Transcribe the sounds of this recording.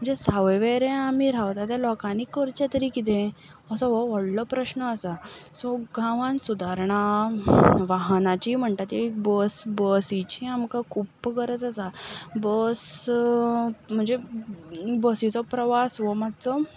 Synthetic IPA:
m̤əɳd͡zesaʋəjʋeɾẽamiɾaʋt̪at̪ɛlɔkanikːəɾt͡ɕet̪əɾikit̪̬ẽ | əsɔ̃ʋɔʋəɽlɔpɾəɕnəəsasɔɡʱãʋãnsud̪ʱaɾɳa | ʋaɦnat͡ɕim̤əɳt̪at̪jaikbəsbəsit͡ɕiamkakʰuːpːɡəɾəd͡zasabəs | m̤əɳd͡ze | bəsit͡sɔpɾəʋasʋɔmad̪t͡sɔ

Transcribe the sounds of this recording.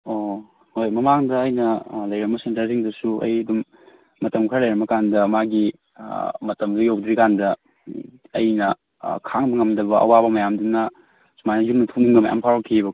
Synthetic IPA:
o | hojmɐmaŋdɐːjnɐlɐjɾɐmːɐsentɐɾsiŋdɐsuʔɐ̰jɐdumː | ɐtɐmkʰɾɐlɐjɾɐmːɐkandɐmaɡi | mɐtɐmdɐjowdɾikandɐ | ɐjnɐ | kʰaŋbɐŋɐmdɐbɐʔɐ̰wabɐmɐjamdunɐ | sumajnɐjumnɐtʰunuŋɡɐmɐ̰ja̰mpʰawɾokʰːibɐk

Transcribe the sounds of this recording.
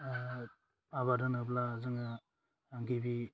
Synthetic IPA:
aβadɯnɯblazɯŋa | aŋɡibi

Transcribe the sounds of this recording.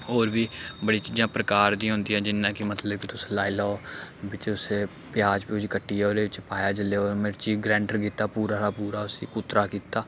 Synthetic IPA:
oːɾbiːbəɽiːt͡ʃiːd͡ʒãːpɾəkaːɾd̪ĩːɦʊ̃ːnd̪iːɦɛ̃ːd͡ʒɪnːãːkimət̪ləbkit̪ʊslaːilɔːbɪt͡ʃʊseː | pɪjaːd͡ʒpiʊd͡ʒkəʈːiːɛoːɾeːɪt͡ʃpaːjaːd͡ʒəleːoːɾmeɾt͡ʃiːɡɾɛ̃ːɳʈəɾɡiːt̪ːaːpuːɾaːɾaːpuːɾaːʊsḭːkʊt̪ɾaːkiːt̪aː

